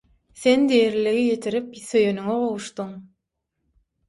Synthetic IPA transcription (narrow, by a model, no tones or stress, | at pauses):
θe̞nd̪ejeɾliɣijet̪ʰiɾipθø̞jønyŋeʁo̞wuʃt̪uŋ